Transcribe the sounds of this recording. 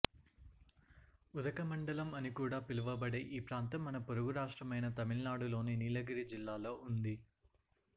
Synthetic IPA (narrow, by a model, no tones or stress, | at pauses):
ud̪ɐkɐmɐɳɖɐlɐmɐnikuːɽaːpiluʋɐbɐɽe̞ːʔiːpɾaːnt̪ɐmːɐnɐpoɾuɡuɾaːʂʈɾɐmɐjnɐt̪ɐmiɭnaːɽulo̞ːniniːlɐɡɐɾid͡ʒilːaːlo̞ːund̪i